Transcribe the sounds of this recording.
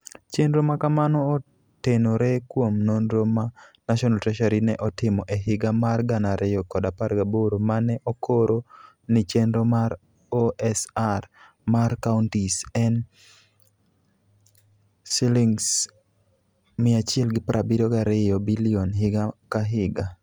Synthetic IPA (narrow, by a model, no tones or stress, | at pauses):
t͡ʃendɾomakamanɔː | tenoɾɛkwomnonɾomanaʃɔnaltɾɛʃaɾinɛʔɔtɪmɔʔeɦɪɡamarɡanaɾʔɪjɔkɔdapaɾɡaboɾomanɛʔokʰoɾo | nɪt͡ʃendɾomaɾ | oɛsar | markaʊntisɛn | siliŋs | mɪat͡ʃɪɛlɡɪpɾʔabidoɡaɾɪjɔbilionɦɪɡakaɦɪɡa